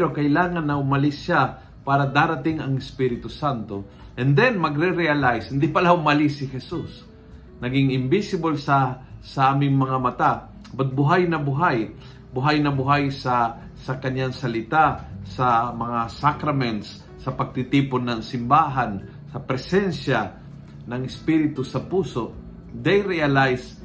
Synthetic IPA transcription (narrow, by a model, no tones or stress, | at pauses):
ɾokɐʔɪlaːŋɐnːɐʔʊmɐlɪsʃa | paːɾɐd̪aːɾɐt̪ɪŋɐŋɛspiɾɪt̪ʊsant̪o | ʔɛnd̪ɛnmɐɡɾɛɾɛalajshɪnd̪ipɐlahʊmɐlɪsɪhɛsus | nɐɡɪŋɪmbɪsɪbolsɐsɐʔaːmɪŋmɐŋamɐt̪a | bɐt̪̚bʊɦajnɐbʊɦaj | bʊɦajnɐbʊɦajsɐ | sɐkɐɲaŋsɐlɪt̪asɐmɐŋasakɾɐmɛnt̪sː | ɐpɐɡ̚t̪ɪt̪iːponːɐŋsɪmbaːɦan | sɐpɾɛsɛnʃja | nɐŋɪspiɾɪt̪ʊsɐpuːsoʔ | d̪ɛjɾɛalajs